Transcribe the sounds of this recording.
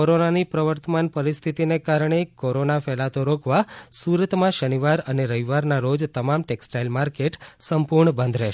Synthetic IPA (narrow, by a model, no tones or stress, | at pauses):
oɾonanipɾəʋəɾt̪əmanpəɾist̪ʰit̪inekaɾɳ̃ekoɾonafɛlat̪oɾokʰʋasuɾət̪mãʃəniʋaɾəneɾəɦiʋaɾnaɾod͡ʒt̪əmamʈeksʈajlmaɾkeʈsəmpuɾɳəbə̃nd̪ʱɾɛʃ